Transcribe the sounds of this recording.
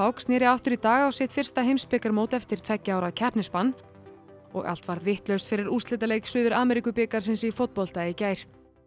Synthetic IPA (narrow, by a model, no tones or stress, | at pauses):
awksnɛːɾɪaft̪ʏɾit̪aːɣawsɪht̪fɪr̥st̪aɦejmspɪkaɾmoːwt̪ɛft̪ɪɾ̥t̪ʰvɛcːaawɾaðcʰɛhpnɪspanː | ɔ̰ɣa̰l̥t̪vaɾðvɪht̪lœɥst̪fɪɾɪɾust̪lɪt̪alejcsʏːðʏɾaːmɛɾikʏpɪkaɾ̥s̬ɪnsifowt̪̚pɔl̥t̪ajɪcaːjɾ̥